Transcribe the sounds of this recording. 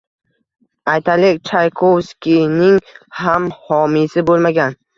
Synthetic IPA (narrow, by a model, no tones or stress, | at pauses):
ajt̪ʰalɪkʲt͡ʃʰajkʰowskʲinɪŋhamhɒmisɪbolˠmaɡʲan